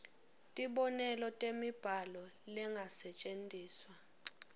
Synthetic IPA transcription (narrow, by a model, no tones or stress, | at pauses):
tʼiɓɔnɛlɔtʼemib̥ʱalɔlɛŋɡʱasɛt͡ʃʼentʼiːswa